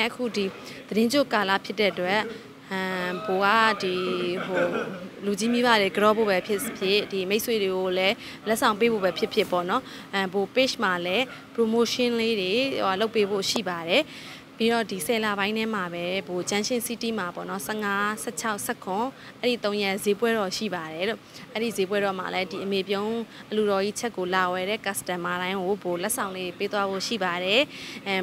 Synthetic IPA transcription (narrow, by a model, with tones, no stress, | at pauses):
ʔəkʰṵ˦˨di˨ | d̪əɾɪ̃˦ɲd͡ʑo˦˨ka˨lä̰˦˨pʰjɪ˦tːɛ̰˦˨ʔətwɛ˦ʔ | bo˨ɡa̰˦˨di˨ɦo˨lu˨d͡ʑi˦mi˦ba˦˨de˨ɡəɾɔ˨˦bo̰˦˨bɛ˦pʰjɪ˦pʰjɪ˦di˨me˦ɪswe˨de˨ɡo˨lɛ˦ | lɛ˦ʔsʰã˨pe˦bo̰˦˨bɛ˨˦pʰjɪ˦pʰjɪ˦˨pɔ̰˦˨nɔ˦˨ | bo˨pɪ˦˨ʃm̥a˨lɛ˦ | pɹo˨mo˦ʃɪ̃˦nle˦de˨a˨lo˦ʊpːe˦bo̰˦˨ʃḭ˦˨ba˨dɛ˨ | pi˦ɾɔ˦˨di˨sɛ˨la˨βã˦ɪ̃ndɛ˦m̥a˨bɛ˦bo˨t͡ɕã˦ʃɪ̃˦˨si˦ti˦˨ma˨pɔ̰˦˨nɔ˦sɛ˦ʔŋa˦sɛ˦˨t͡ɕʰa˦ʊʔsɛ˦˨kʰʊ̃˨ | ʔɛ˦ɹḭ˦˨t̪õ˦ʊ̃jɛ˦˨ze˨˦pwɛ˦ɾɔ˨ʃḭ˦˨ba˨ɾɛ˨lo˦˨ʔɛ˦ɹḭ˦˨ze˨˦pwɛ˦ɾɔ˨ma̰˨lɛ˦di˨ʔəme˨p̬jõ˦ʊ̃ʔəlu˨ɾɔ˨ʔḭ˦˨t͡ɕʰɛ˦kːo˨la˨wɛ˨ɾɛ̰˦˨ka˨stã˨ma˨ɾã˦ɪ̃ŋɡo˨bo˨lɛ˦ʔsʰã˨ʊ̃le˦ɾe˨pe˦t̪wa˦bo̰˦˨ʃḭ˦˨ba˨ɾɛ˨